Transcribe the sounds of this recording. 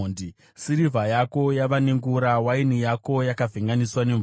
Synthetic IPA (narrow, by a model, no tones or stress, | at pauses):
ndi | siɾivʱajako̞jaʋaneŋɡuɾawainijako̞jakavʱeŋɡaniswane̞ɱ